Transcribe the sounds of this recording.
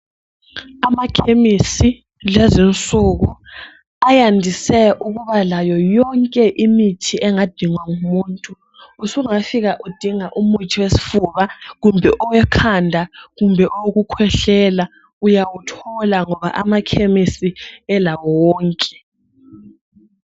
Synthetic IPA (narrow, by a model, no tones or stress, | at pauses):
amakʰemisi | lɛzɛnt͡sʼuɣu | ajandʱisɛʔuɣuβalajɔjɔŋkʼɛʔimitʰiɛŋad̥ʱiŋwaŋumuːntʼu | usuŋafiɣaʔud̥ʱiŋaʔumutʰiwesi̥fuβaɣumbʱɛʔɔwɛkʰandʱaɣumbʱɛʔɔwoɣukʰwɛɬɛla | ujawutʰɔlaŋɔβa̰ʔamakʰemisiɛlawɔwɔːŋkʼɛ̥